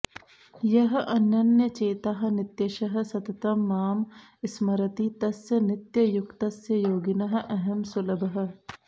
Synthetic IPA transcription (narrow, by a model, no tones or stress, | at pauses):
jɐɦɐ̆ʔɐnːɐnjɐt͡ʃeːt̪aɦɐ̆nɪt̪jɐʃɐɦɐ̆sɐt̪ɐt̪ɐmːaːm | ɪsmɐɾɐt̪it̪ɐsjɐnɪt̪jɐjʊkt̪ɐsjɐjoːɡɪnɐɦɐ̆ʔɐɦɐmsʊlɐbɐɦɐ̆